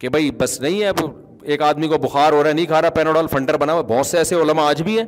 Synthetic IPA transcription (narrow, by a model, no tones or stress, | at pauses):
kebʱɐibɐsnɐɦĩɛb | eːkaːd̪mikobʊxaːɾɦoːɾaɛnɐĩkʰaːɾapɛːnoɽɔːlfɐ̃ɳɖəɾbɐnaːʋabʱɔːt̪seɛːseʊlmaaːd͡ʒbʱiɦɛ̃ː